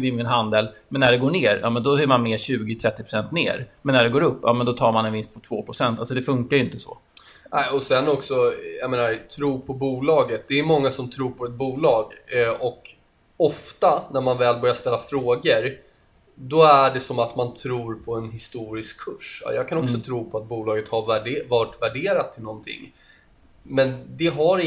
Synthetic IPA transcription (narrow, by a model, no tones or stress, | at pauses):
vɪmːnɦand̪ɛlmɛnːæɖɛɡoːɳeːɾjɑ̰ːmɛnd̪ɔɛɾmanmeːɕʉ̟ːɡɪt̪ʰɾɛt̪ːɪpɾ̥ʊ̥sɛnt̪nḛːɾmɛnːæɖɛɡoːɾɵpːjɑ̰ːmɛnd̪ɔt̪ʰɑːɾmanɛnvɪnst̪pʰɔt̪ʰv̥oːpʰɾʊsɛnt̪alsɔd̪ɛfɵŋkaɾjɪnt̪əsɔ̰ | nɛɪɔsɛnːɔksɔjameːnaɾt̪ʰɾuːpʰɔbuːlɑːɡət̪̚d̪ɛːmɔŋːasɔmt̪ʰɾuːɾpʰɔɛt̪̚buːlɑːɡɔk | ɔft̪anæɾmanvɛːlbœɾjaʂst̪ɛlːafɾoːɡəɾ | d̪ɔæɖɛsɔmat̪mant̪ʰɾuːɾpʰɔɛnɦɪst̪uːɾɪskʰːɵʂjɑːɡ̚kʰanɔksɔt̪ʰɾuːpʰɔat̪̚buːlɑːɡət̪havæɖvɑʈvæɖeːɾat̪ʰːɪlnɔnt̪ʰɪ̰ŋː | mɛnd̪ɛɦaɾ